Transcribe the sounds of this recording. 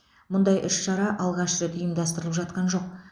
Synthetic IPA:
mʊnd̪ɑjʔʏʃʃɑɾɑʔɑlˠʁɑʃʒət̪ʰijəmd̪ɑst̪əɾəlˠəpʒɑt̪̚qɑnʒo̞q̚

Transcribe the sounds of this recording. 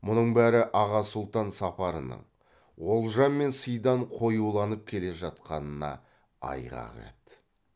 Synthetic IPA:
mʊnəɴbæɾɪʔɑʁɑsʊlˠt̪ɑnsɑpɑɾənə̰ɴ | wo̞lˠʒɑnme̞nsəjd̪ɑɴqʰo̞julˠɑnəp̚kʲʰe̞le̞ʒɑt̪̚qɑnənɑ̰ | ɑ̰jʁɑ̰ʁḛt̪

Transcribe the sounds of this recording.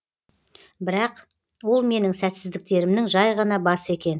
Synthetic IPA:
bɪɾɑq | wo̞lˠme̞nɪŋsæt̪sɪzd̪ɪk̚t̪e̞ɾɪmnɪŋʒɑjʁɑnɑbɑsəe̞kʲe̞n

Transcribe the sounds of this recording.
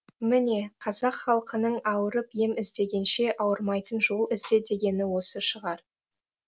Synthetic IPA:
mɪne̞qʰɑzɑqχɑlˠqənəɴɑwəɾəpje̞mɪzd̪e̞ɡʲe̞nʃe̞ʔɑwəɾmɑjt̪ənʒo̞lˠɪzd̪e̞d̪e̞ɡʲe̞nɪwo̞səʃəʁɑɾ

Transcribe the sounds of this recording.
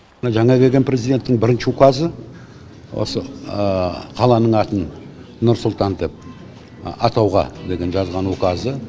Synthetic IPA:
əʒɑɴɑkʲʰe̞ɡʲe̞npɾʲe̞zijd̪e̞nt̪ːɪŋbɪɾɪnʃɪwokazə | wo̰səəqʰɑlˠɑnəɴɑt̪ən | nʊɾsʊlˠt̪ɑnd̪e̞p̚ | ɑt̪ɑwʁɑ̰d̪e̞ɡʲe̞nʒɑzʁɑnokazə

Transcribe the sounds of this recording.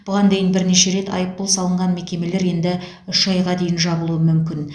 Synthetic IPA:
b̥ʊʁɑnd̪e̞jɪnbɪɾneʃe̞ɾe̞t̪ɑ̰jəp̚ːolˠsɑlˠəɴʁɑnme̞kʲe̞me̞le̞ɾje̞nd̪ɪ | ʏʃʒɑjʁɑd̪e̞jɪnʒɑbəlˠuəmʏmkʲɪn

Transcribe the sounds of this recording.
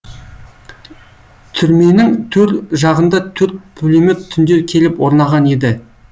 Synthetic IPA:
t̪ʰʏɾme̞nɪŋt̪ʰɵɾt̪ʒɑʁənd̪ɑt̪ʰɵɾt̪̚pʰɵlemɪtt̪ʰːʏnd̪eɾkʲʰe̞lɪpwo̞ɾnɑʁɑne̞d̪ɪ

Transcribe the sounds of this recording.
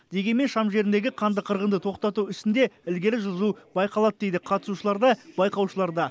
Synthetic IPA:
d̪e̞ɡʲe̞nme̞nʃɑmʒe̞ɾɪnd̪e̞ɡʲɪqʰɑnd̪əqʰəɾʁənd̪ət̪ʰo̞qt̪ɑt̪uɪst̪ɪnd̪e̞ɪlɡʲe̞ɾɪʒʊzubɑjqɑlˠɑd̪əd̪e̞jd̪ɪqʰɑt̪ə̥suʃəlˠɑɾd̪ɑbɑjqɑwʃəlˠɑɾd̪ɑ

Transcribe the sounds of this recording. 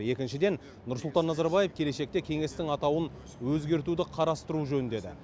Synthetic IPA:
je̞kʲɪnʃɪd̪e̞n | nʊɾsʊlˠt̪ɑnːɑzɑɾbɑjefkʲʰe̞le̞ʃe̞k̚t̪e̞kʲʰe̞ŋe̞st̪ɪŋɑt̪ɑwən | wɵzɡʲe̞ɾt̪ud̪ɪqʰɑɾɑst̪əɾuʒɵnd̪e̞d̪ɪ̰

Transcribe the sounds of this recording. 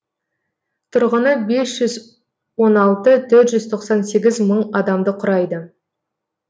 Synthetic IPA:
t̪ʰʊɾʁənəbe̞sʒ̥ʏz | wo̞nɑlˠt̪ət̪ʰɵɾt̪ʒʏzt̪ʰo̞qsɑnse̞ɡʲɪzməɴɑd̪ɑmd̪əqʰʊɾɑjd̪ə

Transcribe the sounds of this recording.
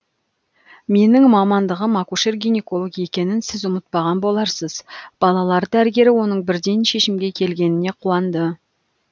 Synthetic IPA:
me̞nɪŋmɑmɑnd̪əʁəmɑkuʃerɡʲijneko̞lˠoɡe̞kʲe̞nɪnsɪzʊmət̪̚pɑʁɑnbo̞lˠɑɾsəzb̥ɑlˠɑlˠɑɾd̪əæɾɡʲe̞ɾɪwo̞nəɴbɪɾd̪ejnʃe̞ʃɪmɡʲe̞kʲʰe̞lɡʲe̞nɪne̞qʰuɑnd̪ə

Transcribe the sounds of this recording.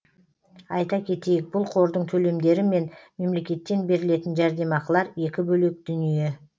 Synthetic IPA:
ɑjt̪ɑkʲʰe̞t̪e̞jɪk̚bʊlˠqʰo̞ɾd̪əɴt̪ʰɵle̞md̪e̞ɾɪme̞nme̞mle̞kʲe̞t̪ːe̞nbe̞ɾɪle̞t̪ɪnʒæɾd̪e̞mɑqəlˠɑɾe̞kʲɪbɵle̞k̚d̪̥ʏnije̞

